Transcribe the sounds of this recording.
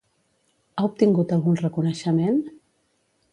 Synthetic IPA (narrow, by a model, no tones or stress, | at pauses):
aup̚t̪iŋɡut̪əlˠɣunrəkunəʃəmen